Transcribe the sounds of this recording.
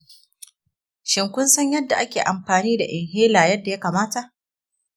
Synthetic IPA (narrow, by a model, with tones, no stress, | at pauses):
ʃɪ˨ŋkʷʊ˦nsɐ˦ɲjɐ˦dːa˨ʔa˦kʲeː˨ʔa˨mɸaː˨niː˦da˨ʔɪ˨ŋheː˦laː˨jɐ˦dːa˨ja˦kaː˨maː˦ta˨ʔ